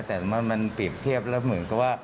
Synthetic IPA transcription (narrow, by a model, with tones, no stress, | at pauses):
t̪ɛː˨˩m˧ma˧npi˨˩p̚t̪ʰi˥˩əp̚lɛː˦˥wmɯ˩˦nka˨˩p̚waː˥˩